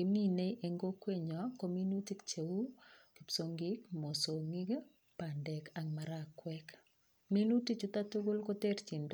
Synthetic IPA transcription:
ki˨mi˦ne˦ʔe˨ŋɡo˦kwe˦ɲɔ˨ko˦mi˦nu˦ti˦kt͡ʃe˨wu˦ki˨pso˨ŋɡi˦kmo˨so˨ŋi˦ɡ | pa˨ndɛ˨ka˨ŋma˨ɾakwɛk | mi˦nu˦ti˦t͡ʃu˦t̪atu˦ɡʊ˦lko˦te˦ɾt͡ʃi˨nd

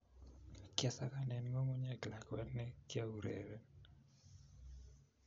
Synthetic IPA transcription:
kjɛ˦sa˦ka˦nɛ˨nŋo˦mo˦ɲa˦ɡla˨kwɛ˦nɛ˦kja˦u˨ɾḛɾɛ˦

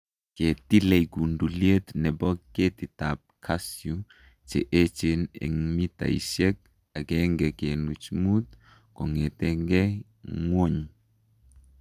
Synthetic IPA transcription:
ke˨t̪i˦le˨jɡu˨ndu˨lje˦t̪nɛ˨bɔ˦ke˦t̪i˨t̪a˨p̚kʰa˦sju | t͡ʃḛ˨ʔe˦t͡ʃe˦nɛ̰˨ŋmi˦t̪a̰˨isje˦k̚ | a˨ɡɛ˦ŋɡɛ˨ke˨nu˨t͡ʃmu˦t̪̚ | kɔ˨ŋɛ˨t̪ɛ˦ŋɡɛ˦ | ŋwo˦ɲ

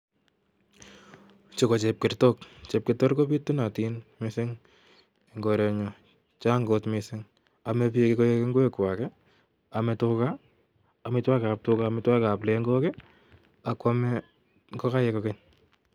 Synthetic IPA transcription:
t͡ʃoko˨t͡ʃep̚kɪrtɔ˦kt͡ʃe˨p̚kɪtɔ˦ɾkopi˦tːu˦na˨tinmɪsɪ˦ŋ | e˨ŋɡo˧ɾɛɲɔ˨ | t͡ʃa˦ŋɡotmɪsɪ˦ŋ | amɛ˧pi˦ekekojekeŋɡo˦e˦kwakɛ | a˨mɛtʊkaː˨ | mɪ˧twa˦ka˨p̚tʊkamɪtwa˦ka˨ple˦ŋɡɔkɛ˦ | a˨kwa˦mɛ | kɔ˦ka˦jɛ˧kɔkeɲ

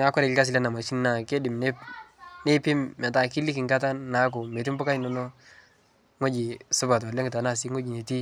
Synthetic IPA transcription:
a˦kɔ˦ɾɛ˨kɪ˦ka˦s̬ɪ˨la˦na˨ma˨ʃi˦nna˨ke˦dɪ˨mne˦ne˦pi˦mmɛ˨ta˨ki˦li˦ki˨ŋka˦ta˦nːa˨˦k̬u˨me˨t̬i˦m˦bu˦ka˦no˨no˦ | ŋo˦d͡ʒi˨sʊ˦ba˨t̬o˨le˦ŋɡɪ˨ta˨na˦˨si˦ŋo˦d͡ʒi˨ne˨ti˦

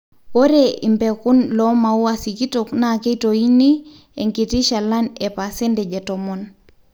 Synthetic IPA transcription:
o˦ɾeʔi˨mpeku˦nlɔma˨u˦asi˨ki˦toknake˦toi˦ni˦ | e˨ŋki˨ti˦ʃa˨la˦nepasi˦ndɛd͡ʒɛ˨tomon

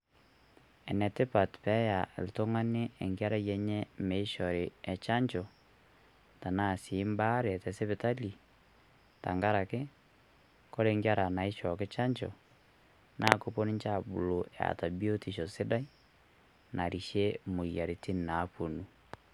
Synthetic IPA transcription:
ɛ˨nɛ˨te˦pa˨tpɛ˦ja˨lto˦ŋa˦neː˦˨ŋɡa˦ɾa˦jɛ˨ɲɛ˦me˨i˦ʃɔ˨ɾe˨ɛ˨t͡ʃa˦ɲt͡ʃɔ˨ | ta˨na˦˨si˨˦mba˦ɾe˨tɛ˨se˦βe˨ta˦li˨ | ta̰˨ŋɡa˦ɾa˨ke˦ | kɔ˦ɾe˦ŋɡja˦ɾa˨na˨i˦ʃɔ˨ke˦t͡ʃa˦ɲt͡ʃɔ̰˨ | nʔa˦ko˦po˦ni˦ɲt͡ʃa˦bu˨lo˨ja̰˨ta˨bi˦o˦ti˨ʃɔ˨se˦da˦i˦ | nʔa˨ɾi˨ʃe˦mo˨ija˨ɾe˨ti˦n˨na˨˦po˨nu˨

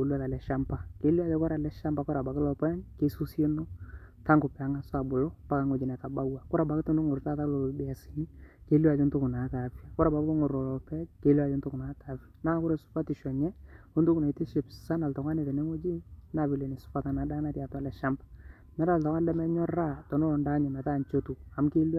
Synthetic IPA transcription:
u˨la˦˨la˨lɛ˨ʃa˦mpa˨ke˦li˦a˨˦d͡ʒɔ˦kɔ˦ɾa˨lɛ˦ʃa˦mba˨kɔ˦ɾa˨ba˨kɪ˦lɔ˨pɔ˦nke˦su˦sje˦no˦ | ta˦ŋɡʊ˨pɛ˨a˨˦ŋa˦sʊ˦a˨bʊ˨lɔ˦pa˦ka˨˦ŋo˨d͡ʒɪ˨nɛ˨ta˨ba˦wa˨kʊ˦ɾa˨ba˨kɪ˦tu˦nʊ˦ŋʊ˨ɾta˦ta˦klo˨bɪ˨a˨si˨ni˦ke˦la˨d͡ʒɪ˦ntʊ˦kʊ˨na˨˦ka˨˦fi˦a˨kʊ˦ɾa˨ba˨˦o˦ŋʊ˨ɾɔ˨lɔ˨pɛ˦ke˦lu˦a˨d͡ʒɪ˦ntʊ˦kʊ˨na˨˦ta˨˦fi˦a˨na˦kʊ˦ɾe˨sʊ̥˦pa˦tɪ˨ʃɔ˨ɲɛ˦ʊ˦ndʊ˦kʊ˨na˨ti˦ʃɪ˨psa˦na˨ltɔ˨ŋa˦ne˨te˨ne˦ŋo˦d͡ʒi˦na˨βi˨le˨ni˨sʊ̥˦pa˦ta˨na˨da˦na˦tja˨twa˦lɛ˨ʃa˦mbḁ˨ | nɛ˦ɾa˨ltɔ˨ŋʷwa˦n˦lɛ˦mɛ˦ɲɔ˦ra˦tɔ˨no˦ɔ˨nda˦ɲɛ˨mɛ˨ta˦˨ɲt͡ʃo˦tu˨a˨mke˦l

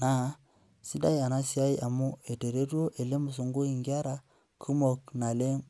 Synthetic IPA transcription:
na˨˦ | si˦da˦ja˨na˦si˦a˦i˦a˨mu˦e˨te˨ɾe˦tu˦o˦ʔe˨le˦mu˨s̬u˨ŋɡu˦i˨ŋɡa˦ɾa˨ | kʰu˦mo˨kna˨le˦m

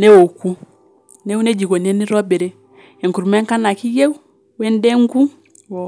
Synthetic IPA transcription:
nɛ˦wo˨ku˦ | nɛ˦u˦nɛ˦d͡ʒi˨ko˨ni˨ɛ˦ni˦ɾɔ˦bɛ˨ɾɛ˦ | ɛ˨ŋku˨ɾu˨mɛ˦ŋka˦na˨ki˦je˦u˦ | wɛ˦ndɛ˦ŋɡu˦

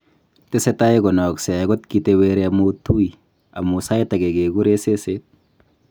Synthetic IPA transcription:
te˦se˦ta˦eɡɔ˨nɔ˨kse˨a˨ɡɔ˦t̚kiteweɾeamutu˦i | amusa˦jta˨ɡe˨ɡe˨ɡu˦ɾe˦seset̚

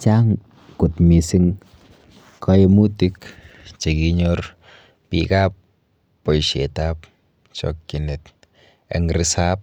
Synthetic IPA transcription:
t͡ʃa˦ŋ | ku˨tmi˨si˦ŋ | kʰajemu˦tikt͡ʃe˨ki˦ɲɔr | pḭkapː | ɔ˨jʃe˨tap | t͡ʃɔ̰kkine˨t | ɛ̰˨ŋɾi˦sap̚

